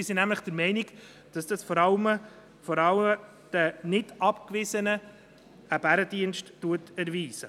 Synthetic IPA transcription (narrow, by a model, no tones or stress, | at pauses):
ɪsinæmləχd̥əɾmɛɪnɪɡ | d̥ɑsd̥ɑsfɔɾɑlmə | fɔɾɑləm | d̥ənɪdɑpkvɪzənə | əb̥æɾəd̥iənʃtːuətɛɾviːsə